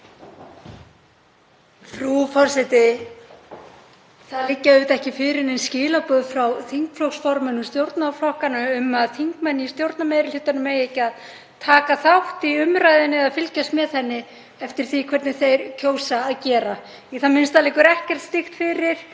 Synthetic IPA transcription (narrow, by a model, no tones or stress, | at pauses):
fɾufɔr̥sɛt̪ɪ | θaðlɪcːaʏt̪ɛhcɪfɪɾɪɾɛnscɪːlapuːðfɾawθiŋkflowksfɔɾmʏnːʏmst̪jowɾt̪naflɔhkanaʏmaðθiŋkmɛnːist̪jowɾt̪̚namejɾɪl̥ʏt̪anʏmejecːað | t̪ʰaːkaθawht̪iʏmɾajðɪnːɪaðfɪlcast̪mɛðθɛnːɪ | ɛft̪ɪɾ̥θikʰvɛɾt̪nɪθejɾcʰoːwsaːðcɛːɾa | iθamɪnst̪alɪːkʏɾɛhcɛr̥t̪st̪ɪxt̪fɪɾɪɾ̥